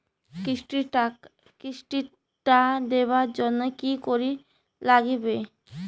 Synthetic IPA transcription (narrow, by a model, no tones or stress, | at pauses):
iʃʈi | kiʃʈi | ʈad̪ebaɾd͡ʑonːokikoɾi | laɡbe